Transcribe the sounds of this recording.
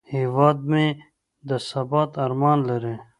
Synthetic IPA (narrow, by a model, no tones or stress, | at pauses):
hiwɑːd̪̚mẽ | d̪əsɐbɑːt̪ɐɾmɑːnlɐɾe